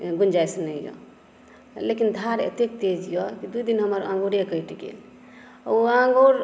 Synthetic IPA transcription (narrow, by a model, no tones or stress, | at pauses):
ɡund͡ʒajsnəijɔ̰ | lekind̪ʱaɾḛt̪ek̚t̪ed͡ʒijɔkid̪uid̪inɦəməɾã̰ŋɡuɾekəjʈiɡḛl̰ | uãŋɡoɾ